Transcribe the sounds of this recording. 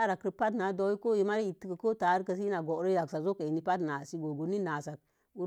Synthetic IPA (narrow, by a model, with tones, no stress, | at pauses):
a˦ɾa˨ki˨pa˦t̬na˨˦do˨˦i˦ko˦ji˨ma˦ɾi˦i˨ti˦kə˨ko˦ta˨˦ɾkə˨s̬i˦na˨ɡo˨˦ɾə˦ja˨ksa˨zo˦ke˨i˨ni˦pa˦tna˨si˦ɡo˨ɡu˨ni˦na˨sa˨k̚ | u˦